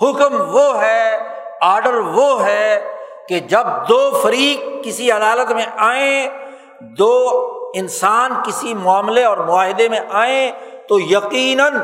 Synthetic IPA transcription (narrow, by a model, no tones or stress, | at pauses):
hʊkmʋoɦɛ | aːɾɖəɾʋoɦɛked͡ʒɐb̚d̪oːfɐɾiːkkːɪsiɐd̪aːlət̪mẽʔaːẽ | d̪oːɪnsaːnkɪsimʊaːmleɔːɾmʊaːɦɪd̪emẽʔaːẽt̪ojɐqiːnən